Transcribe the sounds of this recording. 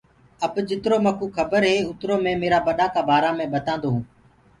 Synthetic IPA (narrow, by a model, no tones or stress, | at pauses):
əbd͡ʒɪt̪ɾoːməkũːkʰəbəɾɦeːʊt̪ɾoːmẽːmeːɾaːbəɗaːkaːbʱaːɾãːmẽːɓət̪ãːnd̪oːɦũː